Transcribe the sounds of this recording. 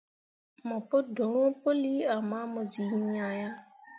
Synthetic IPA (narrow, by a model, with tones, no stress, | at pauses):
mɔ̃˨po˦do˨˦ŋɔ̃˦po˦li˦a˨mã˨˦mʊ̃˨zi˨˦ɲã˨ja˦